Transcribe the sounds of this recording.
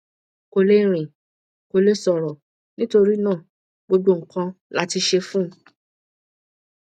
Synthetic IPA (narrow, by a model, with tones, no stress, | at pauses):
ko˧le˦ɾ̃ĩ˨ | ko˧le˧˦sɔ˨ɾɔ˨ | nĩ˦to˧ɾi˦nãː˦˨ | ɡ͡bo˧ɡ͡bo˦ŋ̩˨kã˧la˦ti˧ʃe˧fũ˦